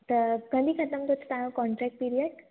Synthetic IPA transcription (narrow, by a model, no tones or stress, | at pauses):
t̪əɡə̃nd̪ʱikʰɐt̪əmt̪ot͡ʃt̪ãːj̃õkɔːɳʈɾɛːk̚ʈ̚piɾijəɖ